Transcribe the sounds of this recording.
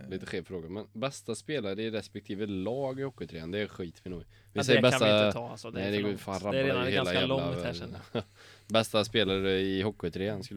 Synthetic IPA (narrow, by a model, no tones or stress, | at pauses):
liːt̪əɧeːvfɾoːɡamɛnbɛst̪aspeːlaɾɾəɛɾɛspɛk̚t̪ʰiːvəlɑːɡɪhɔkːɪt̪ʰɾeːand̪ɛːɧiːt̪vɪnuːɡ | vɪs̬ɛjəbɛt̪anɛɪd̪ɛɡfaːɾabhelaheːlla | bɛst̪aspeːlaɾɾɛɪhɔkːɪʉt̪ʰɾeːənskɵl